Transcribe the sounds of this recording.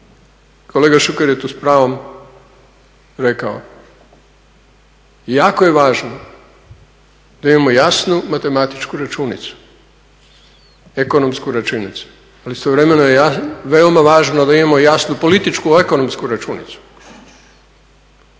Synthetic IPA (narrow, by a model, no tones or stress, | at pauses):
kʰoleːɡaʃukeɾjet̪uːspɾaːʋo̞m | ɾe̞kao | jaːkoje̞ʋaːʒno | d̪̥aimamo̞jasnumat̪e̞mat̪it͡ʃkuɾat͡ʃuːnḭt̪su̥ | eko̞no̞mskuɾat͡ʃunit̪su̥ | alist̪oʋɾeme̞nojejaʋeomaʋaːʒnod̪aimamo̞jasnupo̞lit̪it͡ʃkueko̞nomskuɾat͡ʃuːnḭt̪su̥